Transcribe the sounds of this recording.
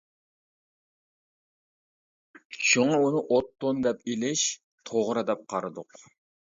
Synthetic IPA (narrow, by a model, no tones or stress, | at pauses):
ʃuŋɑunɨʔot̪ːond̪ɛpilɪʃ | t̪ʰoʁɾɨd̪ɛp̚qʰɑɾɨd̪ʊq